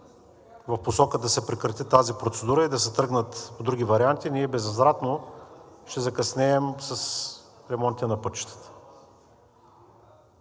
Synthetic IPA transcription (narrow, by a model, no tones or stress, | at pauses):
vɐfposɔkəd̪ɐsɛpɾɛkɾɐt̪it̪azipɾot̪sɛd̪uɾəid̪ɐsɛt̪ɤɡnət̪od̪ɾuɡʲivɐɾiant̪iniɛbɛzɐzɾat̪no | ʃt̪ɛzɐkɐsnɛːmsɐs | ɾɛmɔnt̪ʲiɛnɐpɤt͡ʃi̥t̪ə̥t̪ə̥